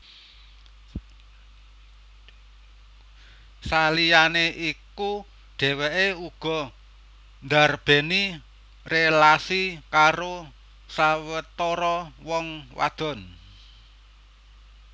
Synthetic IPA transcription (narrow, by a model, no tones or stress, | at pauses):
salijaneʔiku | ɖ̥e̤weʔeuɡ̥ɔ̤ | nd̪arb̥e̤ni | relasikaɾo | sawət̪oɾɔwɔŋwa̰d̪̥ɔ̤n